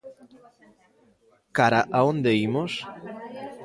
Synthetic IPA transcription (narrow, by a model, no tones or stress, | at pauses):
kaɾaʔaond̪eimos